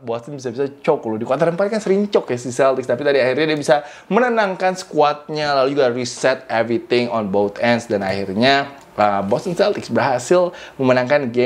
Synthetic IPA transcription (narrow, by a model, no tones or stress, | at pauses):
bɔast̪ənbisabisat͡ʃɔklodikat̪aɾəmpaɾkansəɾiɲt͡ʃɔkjasisɛlt̪ɪkst̪apit̪adiahirɲadiabisa | mənənaŋkansə̥kuat̪̚ɲalalud͡ʒuɡarisɛt̪̚ɛvɾit̪ɪŋɔnbowt̪ʰɛndsdana̰hirɲa | əbɔsinsɛlt̪ɪksbərɦasɪlməmənaŋkanɡe